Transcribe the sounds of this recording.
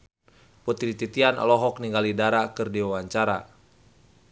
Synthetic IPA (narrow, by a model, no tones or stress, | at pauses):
put̪idit̪it̪ianɔ̰lɔɦɔk̚niŋɡalidaɾakɨrdiwawaɲt͡ʃaɾa̰